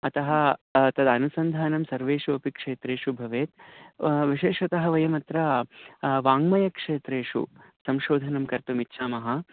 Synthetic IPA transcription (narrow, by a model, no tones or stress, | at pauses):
ɐt̪ɐɦɐ̆t̪ɐd̪ɐnusɐnd̪ʱaːnɐmsɐɾʋeːʂuɐpikʂeːt̪ɾeːʂubʱɐʋeːt̪̚ | ʋiʃeːʂʋɐt̪ɐɦɐʋɐjɐmɐt̪ɾɐ | ʋaːŋmɐjɐkʂeːt̪ɾeːʂṵsɐmʃoːd̪ʱɐnɐmkɐɾt̪umitːʃʰaːmɐɦɐ